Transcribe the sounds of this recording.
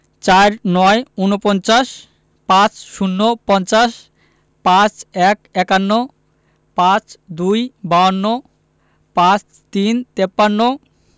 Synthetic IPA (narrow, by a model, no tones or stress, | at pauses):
t͡ɕaɾnɔeunopɔnt͡ɕaʃ | pãt͡ɕʃunːopɔnt͡ɕaʃ | pãt͡ɕɛkɛkanːo | pãt͡ɕd̪ujbaonːo | pãt͡ɕ | t̪int̪epːanːo